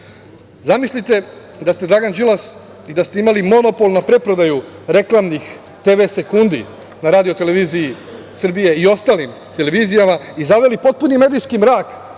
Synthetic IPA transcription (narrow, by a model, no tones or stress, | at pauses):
zamisʎʲit̪e̞ | d̪ast̪e̞d̪ɾaɡand͡ʒilˠas | id̪ast̪e̞imalimo̞no̞po̞lnapɾe̞pɾo̞d̪ajuɾe̞klˠamnix | t̪e̞ʋe̞se̞kund̪ḭ | naɾaːd̪io̞t̪e̞le̞ʋiːziji | sr̩bije̞io̞st̪aːlim | t̪e̞le̞ʋiːzijamaizaʋe̞lipo̞t̪̚punime̞d̪ijskimɾaːk